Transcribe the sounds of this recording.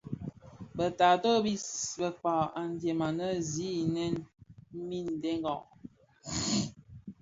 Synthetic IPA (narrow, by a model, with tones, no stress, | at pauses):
bə˨ta˨to˦bi˦bə˨k͡pa˨a˨n˨dje˨ma˨nə˦zi˦˨nɛ˦nm̩˦mi˦n˨de˦ŋ˦ɡɔ˨ʔ